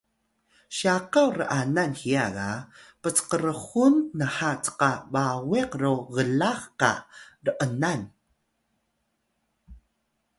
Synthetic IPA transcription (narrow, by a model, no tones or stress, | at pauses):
ɕaqawɾə̰ʔananxiaɣapət͡sqəɾəχunːəħat͡sə̥qabaweqroɣəlaχqa̰rəʔənan